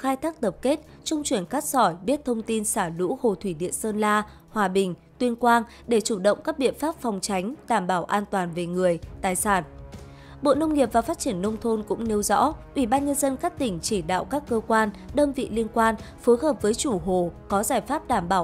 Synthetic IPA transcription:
xaː˧jt̪ʰaː˦˥k̚t̪ə˨˩p̚ke˦˥t̚t͡ɕʊ˧wŋ͡mt͡ɕwi˧˩ənxaː˦˥k̚sɔ˧˩jɓi˦˥ət̚t̪ʰə˧wŋ͡mt̪i˧nsaː˧˩lṵ˧˥ho˨˩t̪ʰwi˧˩ɗḭ˧˨ənsəː˧nlaː˧ | hwaː˨˩ɓï˨˩ŋ̟t̪wi˧ənkwaː˧n | ɗe˧˩t͡ɕu˧˩ɗə̰˧˨wŋ͡mkaː˦˥k̚ɓḭ˧˨ənfaː˦˥p̚fɔ˨˩wŋ͡mt͡ɕa˨˦jŋ̟ɗaː˧˩mɓaː˧˩wʔaː˧nt̪waː˨˩nve˨˩ŋɨ˨˩əjt̪aː˨˩jsaː˧˩n | ɓo̰˧˨nə˧wŋ͡mŋi˨˩əp̚vaː˨˩faː˦˥t̚t͡ɕi˧˩ənːə˧wŋ͡mt̪ʰo˧nkʊ̰˧˥ŋ͡mne˧wzɔ̰˧˥ʔwʔi˧˩ɓaː˧nɲə˧nzə˧nkaː˦˥k̚t̪ï˧˩ŋ̟t͡ɕi˧˩ɗa̰ː˧˨wkaː˦˥kːəː˧kwaː˧nɗəː˧mvḭ˧˨li˧ənkwaː˧nfo˨˦jɦəː˨˩p̚vəː˨˦jt͡ɕu˧˩ɦo˨˩kɔ˨˦zaː˧˩jfaː˦˥p̚ɗaː˧˩mɓaː˧˩w

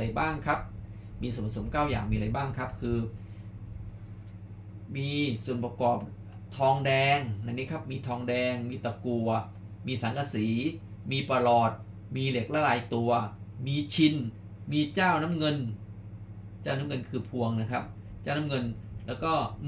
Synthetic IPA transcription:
a˧jbaː˥˩ŋkʰa˦˥p̚ | miː˧su˨˩npʰa˧so˩˦mkaː˥˩wja̰ː˨˩ŋmiː˧ɾa˧jbaː˥˩ŋkʰa˦˥p̚kʰɯː˧ | miː˧su˨˩ənpɾa˧kɔː˨˩p̚ | t̪ʰɔː˧ŋdɛː˧ŋna˧ŋniː˦˥kʰa˦˥p̚miː˧t̪ʰɔː˧ŋdɛː˧ŋmiː˧t̪a˨˧˩ku˧˩ɐ | miː˧saː˩˦ŋkʰa˧siː˩˦ | miː˧pa˧lɔː˨˩t̪̚ | miː˧le˨˩k̚la˦˥˩laː˧jt̪u˧ɐmiː˧t͡ɕʰi˧n | miː˧t͡ɕaː˥˩wna˦˥mŋɤ˧n | t͡ɕaː˥˩wna˦˥mŋɤ˧nkʰɯː˧pʰu˧əŋna˦˥kʰa˦˥p̚ | t͡ɕaː˥˩wna˦˥mŋɤ˧nlɛː˦˥wkɔː˥˩

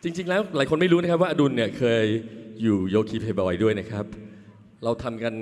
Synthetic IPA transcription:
t͡ɕi˧ŋt͡ɕi˧ŋlɛː˦˥wlaː˨˩˦jkʰo˧nma˥˩jɾuː˦˥na˦˥kʰa˦˥p̚wa˥˩ʔa˧du˧nːi˥˩ɐkʰɤː˧jːuː˨˩joː˧kʰiː˧˥p̚ʰeː˨˧˩bɔː˨˧jdu˥˩əjna˦˥kʰɾa˦˥p̚ | ɾa˧wt̪ʰa˧mka˧n

